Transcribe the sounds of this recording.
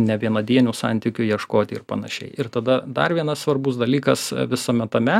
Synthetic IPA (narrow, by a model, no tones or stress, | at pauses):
nʲɛʋʲiɛnɐd̪ʲiɛnʲuːsɑ̰nʲt̪ʲɪkʲʊjiɛʃkoːt̪ʲɪɪrpɐnɐʃʲɛ̰ɪɪrt̪ɐd̪ɐd̪ɐrʋʲiɛnɐssʋɐrbʊsd̪ɐlʲiːkɐsʋʲɪsɐmʲɛt̪ɐmʲɛ